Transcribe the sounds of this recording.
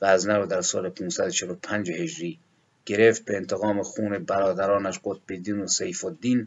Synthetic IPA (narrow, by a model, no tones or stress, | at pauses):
ɣæːznæɾod̪æɾsɒ̰ːlepʰunsæd̪ot͡ʃʰelopʰænd͡ʒehed͡ʒɾiː | ɡ̥eɾeft̪̚beːnt̪ʰeɣɒːmexuːnebæɾɒːd̪æɾɒːnæʃɢot̪̚bed̪iːnosejfod̪ːiːn